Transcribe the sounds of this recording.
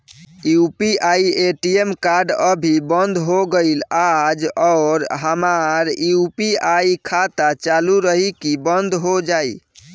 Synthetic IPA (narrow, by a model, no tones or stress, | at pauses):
iupiʔaieʈiemkaɾɖəbʱibənd̪ʱɦoɡəɪlad͡ʒɔɾɦəmaɾiupiaikʰat̪at͡ʃaluɾəɦikibənd̪ʱɦod͡ʒai